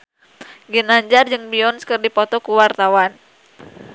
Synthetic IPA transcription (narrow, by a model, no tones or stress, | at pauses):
ɡinaɲd͡ʒard͡ʒɨŋbiɔnskərdipɔt̪ɔkuwart̪awan